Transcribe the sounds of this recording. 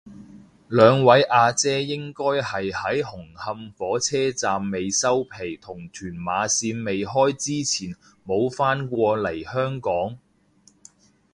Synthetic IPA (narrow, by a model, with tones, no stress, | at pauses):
lœː˨˧ŋwɐ˨˥jʔaː˧t͡sɛː˥jɪ˥ŋkɔː˥jhɐ˨jhɐ˨˥jhʊ˨˩ŋhɐ˧mfɔː˨˥t͡sʰɛː˥t͡saː˨mːe˨jsɐ˥wpʰe˨˩jt̪ʰʊ˨˩ŋt̪ʰyː˨˩nmaː˨˧siː˧nme˨jɦɔː˥jt͡siː˥t͡sʰiː˨˩n | mo˨˧wfaː˥nkʷɔː˧lɐ˨˩jhœː˥ŋkɔː˨˥ŋ